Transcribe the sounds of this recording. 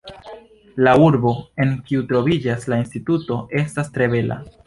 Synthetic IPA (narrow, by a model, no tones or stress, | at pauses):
lauɾbo̞e̞ŋkiutɾo̞vid͡ʒaslainstituto̞e̞stastɾe̞be̞lʔa̰